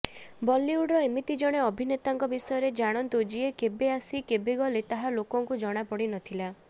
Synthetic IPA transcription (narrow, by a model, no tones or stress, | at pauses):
bɔlːiuɽɾɔemit̪id͡ʒɔɽ̃eɔbʱinet̪aŋkɔbisɔjɔɾed͡ʒaɽ̃ɔnt̪ud͡ʒiekebeasikebeɡɔlet̪aɦalokɔŋkud͡ʒɔɽ̃apɔɽinɔt̪ʰila